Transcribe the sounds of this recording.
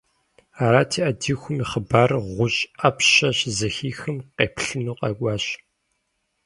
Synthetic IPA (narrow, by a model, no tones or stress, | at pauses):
aːɾaːtʰiːʔɐdiːxʷʊmiχəbaːrʁʷʊɕʼɐpɕɐɕzɐxiːxɨmqeːpʰɬɨnuːqʼɐkʷʼɑːɕ